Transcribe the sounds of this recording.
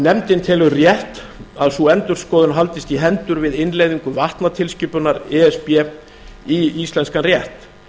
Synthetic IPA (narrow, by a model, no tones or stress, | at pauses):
nɛmt̪ɪnt̪ʰɪlʏrjɛht̪ | aðsuɛnt̪ʏɾ̥skɔːðʏnɦalt̪ɪst̪iɦɛnt̪ʏɾvɪðɪnlejðiŋkʏvaht̪nat̪ʰɪlscʏːpʏnaɾɛɛspjɛ | iist̪lɛnskanrjɛht̪